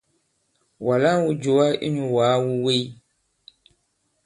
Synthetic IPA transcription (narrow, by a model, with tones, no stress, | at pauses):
wa˨la˦wu˦d͡ʒo˨wa˦ʔḭ˦ɲu˨waː˨˦wu˦we˦j